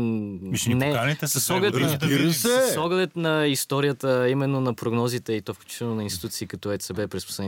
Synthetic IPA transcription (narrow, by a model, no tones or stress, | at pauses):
nɛassɔɡlɛt̪ɾɛsɔɡlɛt̪nɐist̪ɔɾijət̪əimɛnːonɐpɾoɡnɔzit̪ɛit̪ɔfklʲu̥t͡ʃi̥t̪ɛlˠnonɐinst̪i̥t̪ut̪siːkɐt̪ɔɛsɛbɛpɾɛspo̥slɛn